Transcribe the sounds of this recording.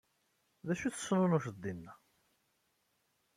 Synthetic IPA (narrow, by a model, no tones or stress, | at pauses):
ðæʃuθə̥sːnʊnʊʃəd̪ːinːæ